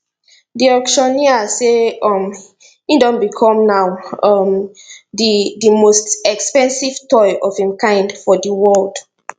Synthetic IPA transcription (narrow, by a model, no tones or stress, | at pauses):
diɔkʃɔniaseɔm | ĩdɔ̃nbikʰɔ̃mnawɔm | didimostɛkspɛ̃nsiv̥tɔjʔɔvhĩmkãɪ̃ndfɔdiwɔld̥